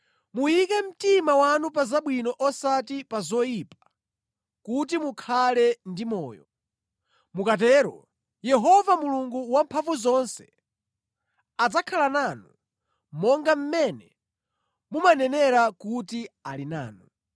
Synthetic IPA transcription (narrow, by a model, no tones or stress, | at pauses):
mujikɛm̩timawanup̬azaɓwinɔʔɔsatipazɔjipḁ | kut̬imukʰalɛndimɔːjɔ | mukatɛːɾɔ̰ | jɛɦɔvamuluŋɡuwampʰaɱvuzɔnsɛ̥ | ad͡zakʰalananu | mɔŋɡam̩mɛnɛ | mumanɛnɛɾakutialina̰ːnu